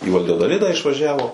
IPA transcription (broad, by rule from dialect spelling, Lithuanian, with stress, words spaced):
iː ʋɐlʲjɛdoːˈlʲɪdɑː ɪʃʋɐˈʒʲæːʋoː